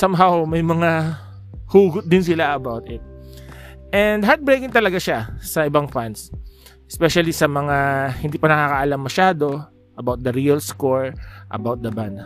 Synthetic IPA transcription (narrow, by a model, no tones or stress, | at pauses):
sɐmɦawmɐjmɐŋa | huːɡʊt̪̚d̪ɪnsɪlaʔɐbawt̪ɪt̪̚ | ʔɛnd̪ɦaɹt̪̚bɹejkɪŋt̪ɐlɐɡaʃasɐʔɪbaŋfans | ʔɛspɛʃɐlisɐmɐŋahɪnd̪iːpɐnɐkakɐʔɐlamːɐʃaːd̪o̞ | ʔɐbawt̪̚d̪ɐɾiɐlskoɹʔɐ̰bawt̪̚d̪ɐband̪